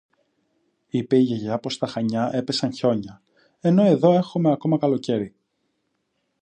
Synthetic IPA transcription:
ipe̞iʝeʝɐpo̞st̪ɐxɐɲɐʔe̞pe̞sɐnço̞ɲɐ | e̞no̞e̞ðo̞e̞xume̞ɐko̞mɐkɐlo̞ce̞ɾi

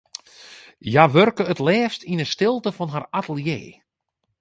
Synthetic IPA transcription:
jaʋørkəətlɛːfstʰinəstɪlˠtəfɔnɦaratəlˠjḛː

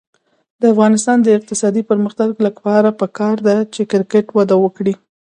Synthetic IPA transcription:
d̪̥əafɣɑnɪst̪ɑnd̪əɪq̚t̪ɪsɑd̪ipəɾməxt̪aɡlapɑɾapəkɑɾd̪at͡ʃekɪɾkeʈwad̪awəkɽi

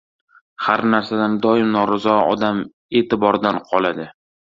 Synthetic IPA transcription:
haɾnaɾsad̪and̪ɒɪmnɒɾazɒɒ̰d̪am | e̞ːt̪ʰɪbɒɾd̪anqʰɒlad̪ɪ

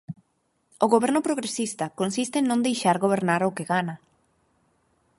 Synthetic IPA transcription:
oɣoβɛɾnʊpɾoɣɾesist̪ɐkonsist̪eŋnõnd̪ejʃaɾɣoβ̞eɾnaɾokeɣana

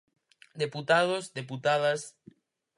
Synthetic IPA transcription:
d̪eput̪aðosd̪eput̪aðas

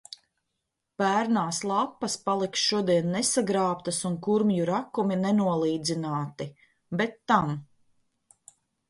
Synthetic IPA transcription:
pæːɾnaːslˠapːɐspalˠiksʃuɔd̪iɛnːɛsaɡɾaːp̚t̪ɐsuŋkuɾmjuɾakuminɛnuɔlˠiːd̪zinaːt̪i | bɛt̪ːam

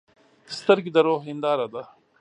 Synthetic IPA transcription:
ɪst̪ɐɾɡid̪ɐɾoːɦind̪aːɾɐd̪a

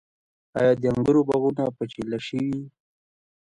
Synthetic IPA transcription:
ɑ̰jɑd̪əaŋɡəɾobaɣunapət͡ʃelaʃəwi

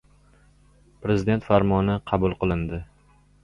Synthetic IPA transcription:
pɾezɪd̪ent̪faɾmɒnɪqʰɑbʊlˠqɨlˠɪnd̪ɪ

